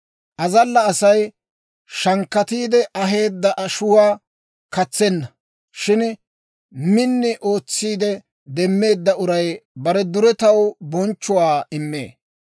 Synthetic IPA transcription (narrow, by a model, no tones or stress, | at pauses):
ʔɐzɐlːɐːsɐj | ʃɐŋkːɐt̪iːd̪ɛʔɐɦe̞ːd̪ːɐʔɐʃʊwaː | kɐt͡sːɛnːɐ | ʃɪn | mɪnːɪʔo̞ːt͡sːiːd̪ɛ | d̪ɛmːe̞ːd̪ːɐʔʊɾɐjbɐɾɛd̪ʊɾɛt̪ɐwbɔnt͡ʃːʊwaːɪmːḛː